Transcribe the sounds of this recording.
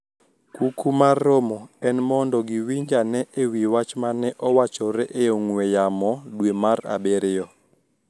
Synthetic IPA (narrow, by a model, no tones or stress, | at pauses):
kukʰumaromɔɛnmɔndɔɡiwiɲd͡ʒanɛʔewiwat͡ʃmanɛʔɔwat͡ʃɔɾɛʔeoŋwɛjamɔdwemaɾa̰beɾɪjɔ